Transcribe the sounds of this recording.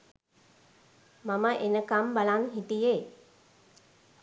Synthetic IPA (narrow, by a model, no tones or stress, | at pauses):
maməʔenəkambalaŋɦit̪ije